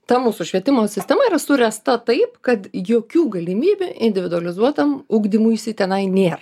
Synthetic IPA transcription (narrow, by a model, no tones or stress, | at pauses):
t̪ɐmuːsʊʃʲʋʲiɛt̪ʲɪmoːsʲɪsʲt̪ʲɛmɐiːɾɐsʊɾʲɛst̪ɐt̪ɐɪpkɐt̪joːkʲuːɡɐlʲɪmʲiːbʲʊʔɪ̰nʲd̪ʲɪʋʲɪd̪ʊɐlʲɪzuɔt̪ɐmʊɡd̪ʲɪmujɪsʲɪt̪ʲɛnɐɪnʲeːrɐ